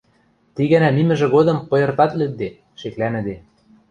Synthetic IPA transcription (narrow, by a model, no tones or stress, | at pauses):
t̪iɣɘnæmimɘ̆ʒĕɣod̪ɤ̆mpɤ̆jɤ̆rt̪ɑt̪lɘ̆k̪̚d̪e | ʃeklænɘ̆d̪e